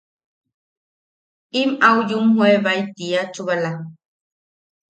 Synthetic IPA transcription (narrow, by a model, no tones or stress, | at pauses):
imawjumhweβajt̪iat͡ʃuβala